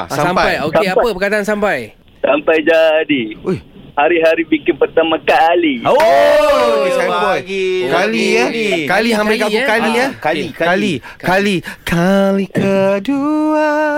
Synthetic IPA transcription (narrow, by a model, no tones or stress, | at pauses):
saammpaajokeaəpəkadaansampaj | sampajd͡ʒadiujhaɾiɦaɾibikɪnpərt̪amãkaːlio | okisapɔɡikaliəkaliɦampɪlkaukaliəkaikkali | kalikʰalikʰədua